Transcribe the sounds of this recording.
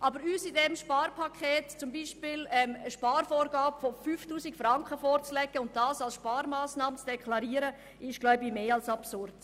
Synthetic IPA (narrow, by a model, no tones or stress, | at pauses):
ʔɑbəɾyːsidɛmʃpɑːɾpʰɑkʰeːtt͡sʊmbiːʃpɪlɛməʃpɑːɾfɔːɾɡɑːbfɔfyːftuːsɪkfrɾɑŋkəfɔːrt͡slɛɡ̥əʊnt̚d̥ɑːsɑlsʃpɑːɾmaːsnɑːmt͡sd̥ɛkʰlɑɾiːəɾə | ʔɪʃɡ̥laʊbimeːɑlsɑpsʊrd̥